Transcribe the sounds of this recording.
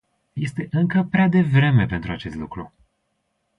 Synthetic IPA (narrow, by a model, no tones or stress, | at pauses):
je̞st̪e̞ʔɨŋkəpɾead̪e̞vɾe̞me̞pe̞nt̪ɾuat͡ʃe̞st̪lukɾu